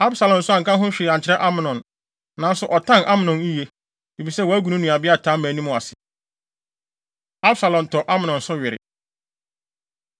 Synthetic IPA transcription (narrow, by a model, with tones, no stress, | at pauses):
a˦bsa˨lɔ̃˨n̩sʊ˦a˨ŋ̩˨kã˦ɦʊ̃˦ɕᶣɪ˨a˨ɲt͡ɕʰɪ˨ɾɛ˦ʔa˦mɪ̃˨nɔ̃˨n | nã˨n˦sʊ˨ʔɔ˨tʰã˦nʔa˦mɪ̃˨nɔ̃˨ni˦je˦ | i˨fi˨sɛ˦wɔ˨æ˦ɡu˨nũ˦nũ˨a˨bɪ˦a˦tʰaː˨˦mæ̃ː˨˦nũ˦mʊ̃˨a˨sɪ˨ | a˦bsa˨lɔ̃˨n˨tʰɔ˨ʔa˦mɪ̃˨nɔ̃˨nsʊ˦ɥɪ˨ɾɪ̰˨